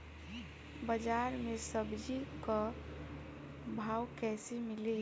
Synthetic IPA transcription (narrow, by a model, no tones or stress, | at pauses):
bəd͡ʒaɾmesəbd͡ʒikə | bʱawkɛsimili